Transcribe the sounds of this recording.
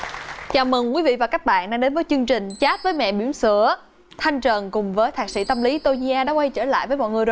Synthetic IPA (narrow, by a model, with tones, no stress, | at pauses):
t͡ɕaː˨˩wmə˨˩ŋkwi˨˦vḭ˧˨vaː˨˩kaː˦˥k̚ɓa̰ː˧˨nɗaː˧˥ɗe˨˦nvəː˨˦jt͡ɕɨ˧əŋt͡ɕï˨˩ŋ̟t͡ɕaː˦˥t̚vəː˨˦jmɛ̰˧˨ɓi˧˩əmsɨ˧˩ə | t̪ʰa˧jŋ̟t͡ɕə˨˩nkʊ˨˩ŋ͡mvəː˨˦jt̪ʰaː˨˩sḭ˧˩t̪ə˧mli˨˦t̪o˧ɲi˧ʔaː˧ɗaː˨˥kwa˧jt͡ɕəː˧˩la̰ː˧˨jvəː˨˦jmɔ̰˧˨jŋɨ˨˩əjɗ